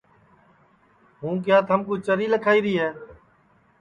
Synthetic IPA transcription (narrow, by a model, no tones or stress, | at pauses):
ɦũːk̬jaːt̪ʰəmkuːt͡ʃəɾiːləkʰaːiːɾiːɦɛː